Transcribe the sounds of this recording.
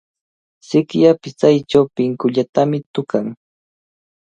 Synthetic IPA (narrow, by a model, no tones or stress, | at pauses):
sɪkjapɪst͡sajt͡ʃawpɪŋkʊʎat̪amɪt̪ʊkaŋ